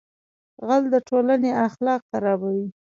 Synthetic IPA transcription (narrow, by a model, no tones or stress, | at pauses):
ɣald̪əʈolaneaxlɑq̚t̪aɾɑbawi